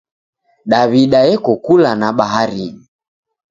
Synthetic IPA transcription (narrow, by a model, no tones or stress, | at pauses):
ɗaβiɗajɛkɔkulanaɓaɦaɾini